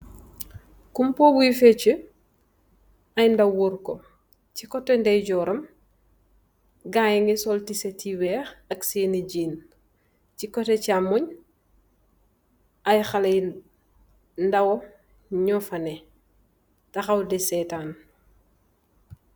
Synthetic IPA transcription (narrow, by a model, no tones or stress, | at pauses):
kumpobuifet͡ʃə | ajndawuɾko | cikotendɐjɟɔːɾɐm | ɡajŋɡisoltisetiwɛːxɐkseːniɟiːn | cikotecamuɲ | ajxalej | ndawo | ɲɔfɐne | tɐxawdesetaːn